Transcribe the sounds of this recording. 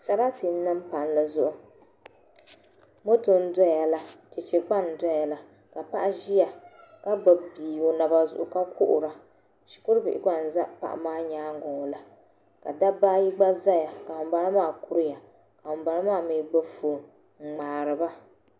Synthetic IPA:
sa˦ba˦ti˨n˦nɨ˦m˦pa˨n˦la˨zʊ˦ʔʊ˦ | mo˦to˨n̩˦da˦ja˨la˦t͡ʃɪ˨t͡ʃe˨ɡ͡ba˦n˨da˦ja˨la˨ | ka˨pa˦ʔa˦ʒi˦ja˨ka˦ba˨biː˨o˨na˨ba˦zʊ̰˨ʔʊ˨ka˦kʊ˦ʔʊ̰˨ɾa˨ | ʃi̥˨kʊ˦ɾbɪ˨ɪ˨ka˦n̩˨za˦ʔpa̰˨ʔa̰˨maː˦ɲaː˦ŋ˦ɡɔ˨la˨ | ka˨da˦baː˦ji˦ɡ͡ba˦za˦ja˨ka˨ʊ˨m˦ba˨ɾa˦maː˦˨ku˦ɾɪ˦ja˨ | ka˨ʊ˨mba˨ɾa˦maː˦˨miː˨ɡ͡ba˦foː˨ŋ | ŋ͡m̩˨ŋ͡maː˨ɾɨ˨ba˦

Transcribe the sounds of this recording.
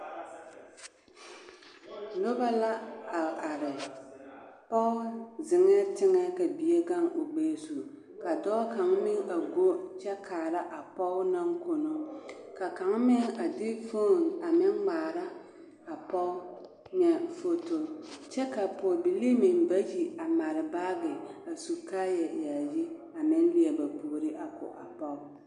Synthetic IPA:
lo˦ba˦la˦a˨a˨ɾɪ˨ | pɔ˦ʊ˦zɪ˨ŋɛ˦tɪ˦ŋɛ˦ka˨bi˨ɛ˦ɡa˦ŋo˨ɡ͡beː˨su˨ | ka˨dɔ˦ka˨ŋmɪ˦ŋa˨ɡo˦t͡ʃɛ˦kʰaː˨la˦ʔa˨pɔ˦ʊ˦na˦ŋko˨no˦ka˨ka˨˦ŋmɪ˦ŋa˨dɪ˦fo˦˨ŋa˨mɪ˦ŋɡ͡baː˨ɾa˦ | a˨pɔ˦ʊ˦ | ɲɛ˨fo˦to˨t͡ʃɛ˦ka˨pɔ˨bɪ˨li˦mɪ˨nba˦ji˨a˨ma˨ɾɪ˨baː˦ɡɪ˨a˨su˨ka˦jɛ˨jaː˨ji˦ | a˨mɪ˦n˦li˦ɛ˨ba˨po˨ɾɪ˦ʔa˨kʊ̰˨ʔa˨pɔ˦ʊ˦

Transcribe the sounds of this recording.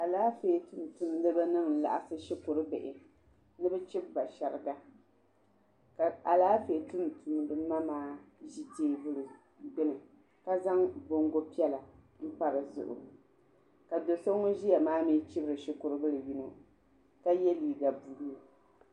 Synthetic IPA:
a˨laː˦feː˨˦tu˦n˨tu˨mdɨ˦bɨ˦nɨ˦ŋ̩˨la̰˨ʔa˨sɨ˦ʃɪ˦kʊ˨ɾɨ˦bɛ˨ʔɪ˨ | nɨ˦bɛ˦t͡ʃɪ˦b̚ba˨ʃɛ˨ɾɨ˨ɡa˦ | ka˨a˨laː˦feː˨˦tu˦n˨tu˨m˦dɨ˦ma˦maː˦ʒi˦teː˦bɨ˦l | ɡ͡bɛ˦lɨ˨ | ka˦za˦ŋbo˦ŋɡo˦pi˦ɛ˦la˨ | m̩˦pa˦ɾɨ˨zʊ̰˨ʔʊ̰˨ | ka˨do˨so˦ŋo˦ʒi˦ja˨maː˦mi˦t͡ʃɪ˦bɨ˦ɾɨ˨ʃɪ˨kʊ˨ɾɨ˦bɨ˦lɨ˨ji˦no˨ | ka˦jɛ˦liː˨ɡa˨bu˨ɾu˦˨

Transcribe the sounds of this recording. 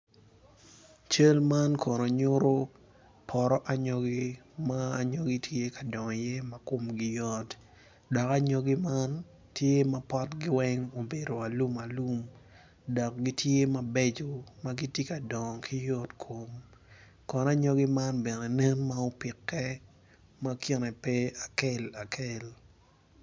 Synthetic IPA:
t͡ʃe˦lma˦nkʰɔ˨no˨ɲʊ˦ɾo˦ | pʰɔ˨ɾɔ˦ʔa˦ɲɔ˦ɡi˦maː˨ɲo˦ɡi˦tʰje˦ka˨dɔ˨ŋ˨je˦ma˦ko˨mɡɪ˨jɔ˦t | dɔ˨ka˦ɲɔ˦ɡɪ˦ma˦n | tje˦ma˦pɔ˦tɡɪ˦wɛ˦ŋo˨be˨do˨a˨lu˦ma˨lu˦m | dɔ˨k̚ɡi˦tʰje˦ma˦be˦d͡ʒo˨ma˦ɡi˦tje˦ka˨dɔ˨ŋkʰi˦jɔ˦tkʰo˨m | kɔ˨na˦ɲɔ˦ɡɪ˦ma˦nbɛ˨nɛ˨nɛ˦nmao˦pɪ˨kːɛ˦ | ma˦ki˦nɛ˨pe˦a˨ke˦la˨kʰe˦l

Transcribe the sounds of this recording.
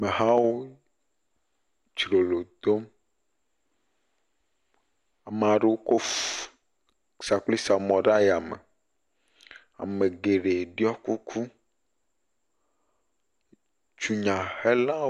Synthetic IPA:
me˨ɦã˦wo˦ | t͡ʃɾo˨lo˨d̪o˦m | a˨me˨a˨ɖe˦wo˦ko˦ | sa˨k͡pli˦sa˨mɔ̃˨ɖa˦ja˨mḛ˨ | a̰˨me˨ɡe˨ɖe˨ɖi˦ɔ˦ku˦kʰu˦ | t͡ʃu˨ɲã˨he˦la˦

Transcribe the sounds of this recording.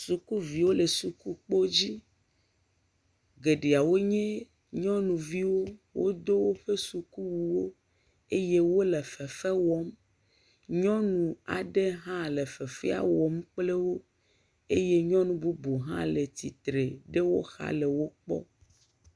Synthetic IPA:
su˨ku˦vi˨wo˦le˨su˨ku˦k͡po˦d͡ʑi˦ | ɡe˨ɖe˨a˨wo˦ɲẽ˦ | ɲɔ̃˦nũ˨vi˦wo˦wo̰˦d̪o˦wo˦ɸe˦su˨ku˦wu˨wo˦ | e˦je˦wo˦le˨fɛ˨fɛ˦wɔ˨m | ɲɔ̃˦nũ˨a̰˨ɖe˦ɦã˦le˨fɛ˨fɛ˦a̰˨wɔ˨mk͡ple˦wo˦ | e˦je˦ɲɔ̃˦nũ˨bu˦bu˨ɦã̰˦le˨t̪i˨t̪ɾe˨ɖe˦wo̰˦xa̰˦le˨wo˦k͡pɔ̰˦

